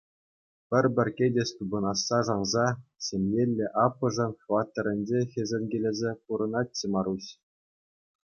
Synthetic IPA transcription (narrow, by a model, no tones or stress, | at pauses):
pʲɘ̆rʲbʲɘ̆rʲkʲedʲest̪ubɤ̆nɑsːɑʐɑnzɑɕʲemʲjelʲːeʔɑpːɤ̆ʐɤ̆nχvɑt̪ːɤ̆ɾʲɘ̆nʲd͡ʑexʲĕzʲĕnʲɡʲelʲezʲepuɾɤ̆nɑt̚ʲːemɑɾuɕ